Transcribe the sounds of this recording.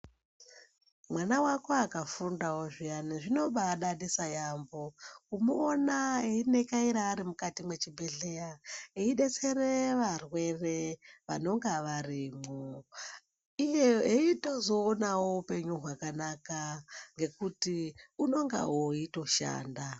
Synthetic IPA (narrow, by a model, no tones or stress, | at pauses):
mwanawako̞akafundawoʐijaniʐino̞ɓaɗaɗisajamboumuonaeine̞kaiɾaːɾimukatimwe̞t͡ʃibʱe̞ɮejaeiɗe̞t͡se̞ɾeʋarwe̞reʋa̰no̞ŋɡaʋariːmo | ijeɦeito̞zoːnawoupe̞ɲuɦwakanakaŋɡe̞kutiuno̞ŋɡa̰ɦoito̞ʃa̰ːnda